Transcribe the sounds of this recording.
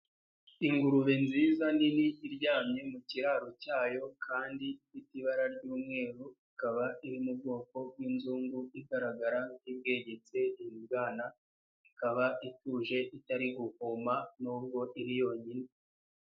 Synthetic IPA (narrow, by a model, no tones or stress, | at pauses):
iŋɡuɾuβenziːzaniniʔːɾɟaːmɲe̞muciɾaːɾocaːjo̞kʰaːndiifitiβaɾaɾɟuːmŋe̞ːɾuikaβaiɾimub̚ɡo̞ːko̞winzuːŋɡuiɡaɾaɡaɾaŋib̚ɡe̞ːɟe̞t͡se̞imibɡaːna | ikaβaʔituːʒe̞ʔitaɾiɡuhumanuːb̚ɡo̞ʔiɾijo̞ːɲini